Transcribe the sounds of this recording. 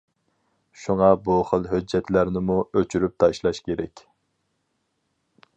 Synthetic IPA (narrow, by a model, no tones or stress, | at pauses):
ʃuŋɑbuχəlˠɦød͡ʒːɛt̪læɾnɪmuøt͡ʃʰyɾyp̚t̪ʰɑʃlˠɑʃkʲʰeɾɛkʲ